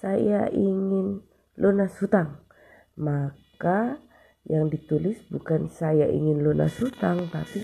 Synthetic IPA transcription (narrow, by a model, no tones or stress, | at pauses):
sajaʔiŋɪn | lʔonasut̪aŋ | maka | jaŋdit̪ulɪsbukansajaʔḭŋɪnlona̰sut̪aŋt̪api